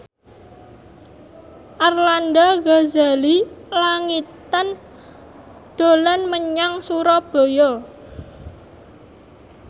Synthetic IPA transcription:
ʔarlandaɡazalilaŋit̪an | d̪̥o̤lanməɲaŋsuɾɔb̥o̤jɔ

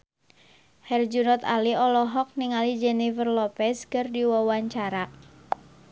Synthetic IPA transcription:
hɛrd͡ʒunɔt̪aliɔlɔɦɔk̚niŋalid͡ʒɛnifərlɔpɛskɨrdiwɔwaɲt͡ʃaɾa

